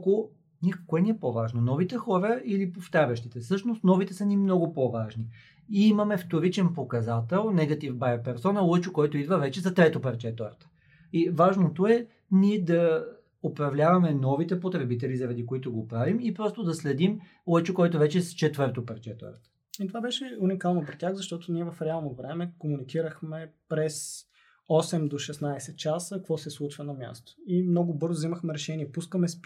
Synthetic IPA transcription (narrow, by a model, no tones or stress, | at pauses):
ko | nʲiɛkoɛniɛpovaʒnonɔvit̪ɛxɔɾəilipoft̪aɾʲɐʃt̪it̪ɛfsɤʃnost̪nɔvit̪ɛsɐnimnɔɡʊpovaʒni | iimɐmɛft̪oɾit͡ʃɛnpokɐzat̪ɛlˠnɛɡɐt̪ifbajpɛɾsɔnəlˠɤt͡ʃʊkɔjt̪oid̪vəvɛt͡ʃɛzɐt̪ɾɛt̪opɐɾt͡ʃɛt̪oɾt̪ə̥ | ivaʒnot̪oɛ | niɛd̪ɐ | opɾɐvlʲavɐmɛnɔvit̪ɛpot̪ɾɛbit̪ɛlizɐɾɐd̪ikoit̪oɡopɾavimipɾɔst̪od̪ɐslɛd̪im | lɛt͡ʃokɔjt̪ʊvɛt͡ʃɛst͡ʃɛt̪vɤɾt̪opɛɾt͡ʃɛt̪o̰ɾt̪ə̥ | it̪ovabɛʃɛunikalˠnopɾɛtʲaɣzɐʃt̪ɔt̪ʊniɛvɐfɾɛalˠnovɾɛmɛkomunikiɾəxmɛpɾɛs | ɔsɛmd̪oʃɛsnajsɛt̪̚t͡ʃasəkɐkvɔsɛslˠut͡ʃvɐnɐmʲja̰st̪o̥imnɔɡʊbɤɾzoʊvziməxmɛɾɛʃɛniɛpuskəmɛs